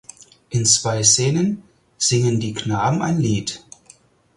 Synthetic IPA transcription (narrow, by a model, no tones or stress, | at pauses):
ʔɪnt͡sv̥aɪseːnən | z̥ɪŋəndiːknaːbm̩a̰ɪnliːt